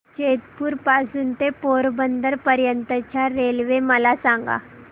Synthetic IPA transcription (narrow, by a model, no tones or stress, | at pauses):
t͡ɕet̪puːɾpasuːnt̪epoɾbənd̪əɾpəɾjənt̪ət͡ɕjaɾelʋeməlasãŋɡa̰